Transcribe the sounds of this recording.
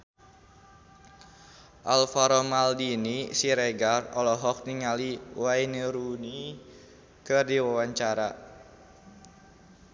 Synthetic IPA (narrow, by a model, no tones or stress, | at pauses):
ʔalfaɾɔmaldinisiɾeɡarɔlɔɦɔk̚niŋaliwainəɾuni | kɨrdiwawaɲt͡ʃaɾa